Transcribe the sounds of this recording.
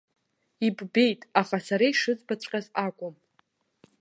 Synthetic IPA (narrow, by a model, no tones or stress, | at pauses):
ibbe̞jtʼaχasaɾaiʂɨt͡sʼbat͡ɕʷʼqʲʼazakʷʼʊm